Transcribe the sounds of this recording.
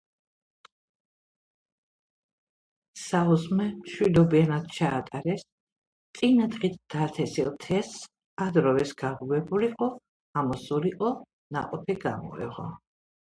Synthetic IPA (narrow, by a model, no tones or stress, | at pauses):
sauzmɛmʃwid̪ɔbianad̪̥̚t͡ʃʰaːt̪ʼaɾɛs | t̪sʼinad̪χit̪̚ʰd̪̥at̪ʰɛsilˠt̪ʰɛs | ad̪ɾɔvɛsɡaʁuvɛbuliqʼɔ | amɔsuɾiqʼɔ | na̰qʼɔpʰɛɡa̰mɔ̰ɛ̰ʁɔ̰